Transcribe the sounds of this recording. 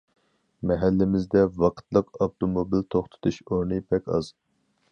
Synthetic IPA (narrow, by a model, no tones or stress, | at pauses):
mɛɦɛlːɪmɪzd̪ɛvɑqʰt̪lˠəqɑpt̪ʰomobilt̪ʰoχt̪ʰɨ̥t̪ʰuʃoɾnɨpʰɛkʲɑ̰z